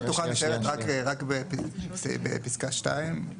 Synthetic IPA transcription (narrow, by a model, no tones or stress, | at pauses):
t̪uχaaseʁet̪ʁakʁakbepisbḛpiskaʃtaim